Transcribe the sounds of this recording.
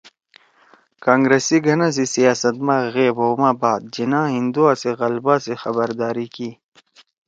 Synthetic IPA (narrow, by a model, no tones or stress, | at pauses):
kãːŋɡɾesiɡʱɐnãs̬isijaːsɐt̪mãːɣeːbomãːbaːd̪̚d͡ʑinãːɦĩnd̪uaseɣɐlbaːsexɐbəɾd̪aːɾikiː